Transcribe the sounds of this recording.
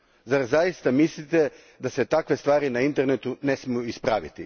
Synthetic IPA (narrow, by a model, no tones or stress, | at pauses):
zaɾzajist̪amislit̪e̞ | d̪aset̪akʋe̞st̪ʋaːɾinaint̪e̞ɾnet̪une̞smijuispɾa̰ːʋḭt̪ḭ